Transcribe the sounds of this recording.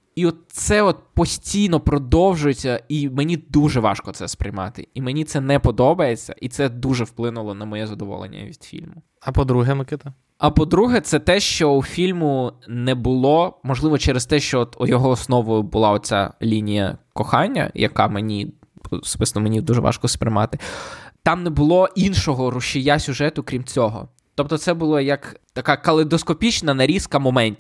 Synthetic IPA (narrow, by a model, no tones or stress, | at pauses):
iɔt̪̚sɛɔt̪̚pɔsʲtʲijnɔpɾɔd̪ɔwʒʊjet͡sʲːɐimenʲid̪uʒɛʋɑ̰ʃkɔt̪sɛspɾɪjmɑt̪ɪ̰imenʲit̪sɛnɛpɔd̪ɔbɐjet͡sʲːɐ̰ʔit̪sɛd̪uʒɛwplˠɪnʊlˠɔnɐmɔjɛzɐd̪ɔʋɔ̰lˠḛnʲːɐ̰ʋʲid̪fʲḭlʲmʊ | ɐpɔd̪ɾuɦɛmɐkɪt̪ɐ | ɐpɔd̪ɾuɦɛt̪sɛt̪ɛʃt͡ʃɔufʲilʲmʊnɛbʊlˠɔmɔʒlˠɪʋɔt͡ʃɛɾest̪ɛʃt͡ʃɔɔt̪ujɔɦɔːsnɔʋʊjʊbʊlˠɑɔt͡sʲa̰lʲinʲijɐ̰kɔxɑnʲːɐ̰jɐ̰kɑ̰menʲi | ɔsbɪsnɔmenʲid̪uʒɛʋɑ̰ʃkɔspɾɪmɑ̰t̪ɪt̪ɑmnɛbʊlˠɔʔinʃɔɦɔrʊʃɪjasʲʊʒɛt̪ʊkɾʲimt͡sʲɔɦɔ̰ | t̪ɔp̚t̪ɔt̪sɛbʊlˠɐjɐkt̪ɐkɑkɐlˠed̪ɔskɔpʲit͡ʃnɐnɐɾʲiskɐmɔmɛnʲt̪ʲ